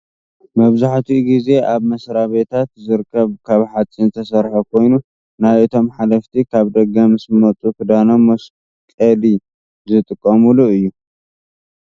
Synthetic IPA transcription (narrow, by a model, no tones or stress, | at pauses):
mɐβzaħt̪ʰiɡize̞ʔaβmɐsɾaβet̪ʰat̪zɨɾkʰːɐβkʰaβħat͡sʼinɨt̪ʰɐsɐɾħokʰo̞jnu | najʔɨt̪ʰo̞mħalɐft̪ʰikʰaβd̪ɐɡɐmɨsɨmɐt͡sʼukʰɨd̪ano̞mːos | kʼɐli | zɨt̪ʼɨkʼːɐmuluɨjːu